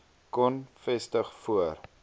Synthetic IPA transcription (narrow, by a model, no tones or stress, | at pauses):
kɔnfɛstəχfuər